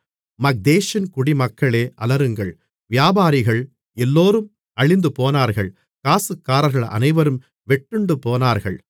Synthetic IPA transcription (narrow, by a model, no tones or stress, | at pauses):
mɐk̚d̪eːʃɐnkʊɽimɐkːɐɭeːʔɐlɐɾɯŋɡɐɭ | ʋɪjaːbaːɾɪɣɐɭ | ɛlːoːɾɯm | ɐɻɪnd̪ɯpoːnaːɾɣɐɭ | kaːsɯkːaːɾɐɾɣɐɭɐ̰nɐɪʋɐɾɯm | ʋɛʈːɯɳɖɯpoːnaːɾɣɐɭ